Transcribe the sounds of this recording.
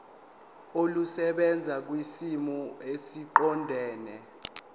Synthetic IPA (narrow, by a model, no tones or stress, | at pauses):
olusɛɓɛnd͡zʱak̬wisimɔesiǃɔndʱɛːnɛ